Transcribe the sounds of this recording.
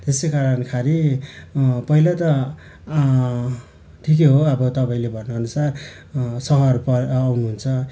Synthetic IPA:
t̪esekaɾʌnkʰaɾi | pʌɦilat̪ʌ | ʈʰik̬eɦoʌbʌt̪ʌpaĩlebʱʌrnʌʌnusar | sʌɦʌrpʌːwnuɦunt͡sʰʌ

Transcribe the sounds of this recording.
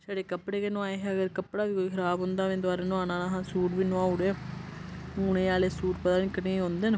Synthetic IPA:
saːɽeːkəpɽeːkenũːaːeːɦɛəɡəɾkəpɽaːʋiːkoːiːkʰəɾaːbɦʊnd̪aːmẽnd̪aːɾaːnʊ̃aːnãːnaːɦãːsuːʈʋiːnõaːʊɽeː | ʊnẽːaːleːsuːʈpəd̪aːnɪkːənẽɦõːnd̪eːn

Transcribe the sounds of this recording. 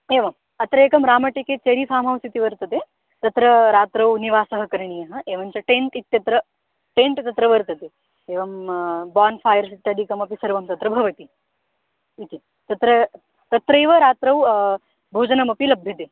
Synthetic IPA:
eːʋɐm | ɐt̪ɾɐeːkɐmɾaːmɐʈekeːt͡ʃɐɾisaːmɐʋst̪it̪iʋɐɾt̪ɐt̪e | t̪ɐt̪ɾɐɾaːt̪ɾɐwniʋaːsɐɦɐ̆kɐɾɳijɐɦɐʔeːʋɐnt͡ʃɐʈeɳʈit̪ːjɐt̪ɾɐ | ʈeːɳʈt̪ɐt̪ɾɐʋɐɾt̪ɐt̪e | eːʋɐmbaːnfʰaːjɐɾsit̪ːjaːd̪ʱikɐmɐpisɐɾʋɐmt̪ɐt̪ɾɐbʱɐʋɐt̪i | it̪i | t̪ɐt̪ɾɐ | t̪ɐt̪ɾɐeːʋɐɾaːt̪ɾɐw | bʱoːd͡ʒɐnɐmɐpilɐbʱjɐt̪eː

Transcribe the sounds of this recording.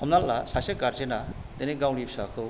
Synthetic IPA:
ɔmnalːasaseɡaɾd͡ʒena | d̪eniɡawnipsakʰɯ

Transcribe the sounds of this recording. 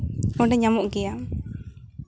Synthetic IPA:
ɔɖɛɲamɔʔɡɛja

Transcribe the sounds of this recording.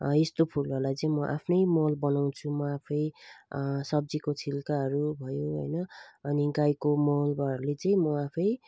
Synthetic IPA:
est̪opʰulʌlajt͡sʌ̃ĩmʌʔa̰pʰnʌjmʌlbʌnaw̃t͡sʰumʌapʰʌj | sʌb̚d͡zikot͡sʰilkaɦʌɾubʱʌjoɦʌ̰jnʌʌniɡajkomolbaɾalet͡sʌĩmʌapʰʌj

